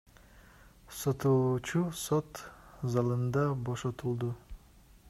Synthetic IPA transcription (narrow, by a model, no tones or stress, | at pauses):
sot̪uːt͡ʃusot̪zɑlˠɯnd̪ɑbo̞ʃot̪ulˠd̪u